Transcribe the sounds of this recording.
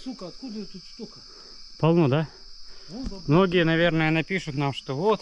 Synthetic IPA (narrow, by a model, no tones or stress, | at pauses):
sukɐt̪kud̪ət̪ut̪st̪ok | pɐlˠnod̪a | mnoɡʲɪjənɐvʲe̞rnəjənɐpʲiʂʊt̪namʂt̪ovot̪